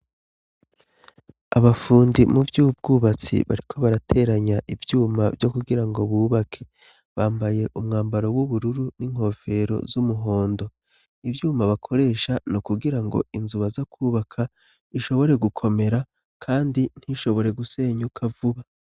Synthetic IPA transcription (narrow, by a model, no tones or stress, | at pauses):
a̰βafuːndimuvjuub̚ɡuːβat͡sḭβa̰ɾikʰo̞βaɾatʰe̞ɾaɲaʔivjuːmavjo̞kuɡiɾaŋɡo̞βuːβakʰe̞ | βaːmbaje̞ʔumŋaːmbaɾo̞wuβuɾuɾuniŋ̥ho̞fe̞ɾo̞̰zumuɦo̞ːndo̞ | ivjuːmaβakʰo̞ɾe̞ːʃanokuɡiɾaŋɡo̞̰inzuβazakʰuːβakʰa | iʃo̞βo̞ɾe̞ɡukʰo̞me̞ɾa | kʰaːndin̥hiʃo̞βo̞ɾe̞ɡuse̞ːɲukʰavuβa